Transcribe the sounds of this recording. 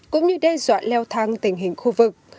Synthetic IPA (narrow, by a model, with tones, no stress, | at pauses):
kʊ̰˧˥ŋ͡mɲɨ˧ɗɛ˧zwa̰ː˧˨nlɛ˧wt̪ʰaː˧ŋt̪ï˧˩ŋ̟ɦï˨˩ŋ̟xu˧vɨ˨˩k̚